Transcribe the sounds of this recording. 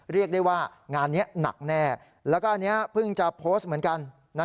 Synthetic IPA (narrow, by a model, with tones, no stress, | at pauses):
ɾi˥˩ək̚daː˥˩waː˥˩ŋaː˧nːi˦˥ɐna̰˨˩k̚nɛː˥˩ | lɛː˦˥wkɔː˥˩ʔa˧nːi˦˥ɐpʰɯ˥˩ŋt͡ɕa˨˩pʰoː˦˥st̪̚mɯ˦ənka˧n | na˦˥